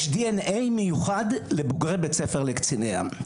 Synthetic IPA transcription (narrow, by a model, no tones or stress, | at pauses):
ʃdienejmejuχadleboɡʁebet͡sefeʁlekt͡sinea̰